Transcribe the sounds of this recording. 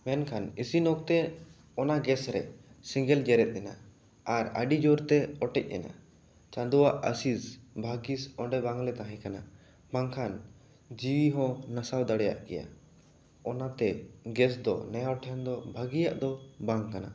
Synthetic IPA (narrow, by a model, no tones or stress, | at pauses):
mɛnkʰanisinɔk̚t̪ɛ | ɔnaɡɛsɾɛ̰sĩŋɡɛld͡ʒɛɾɛt̪̚ˀɛna̰ | aɾa̰ɖid͡ʒɔɾt̪ɛɔʈɛc̚ˀɛ̰na̰ | t͡ʃãnd̪ɔwaʔəsisbʱaɡisɔ̃ɳɖɛbaŋlɛt̪ãɦãj̃kana | baŋkʰan | d͡ʒiwiɦɔ̃nasawd̪aɽɛja̰ʔkɛja̰ | ɔnat̪ɛɡɛs̬d̪ɔ̰nɛjaɔʈʰɛnd̪ɔbʱaɡija̰ʔd̪ɔbaŋkana̰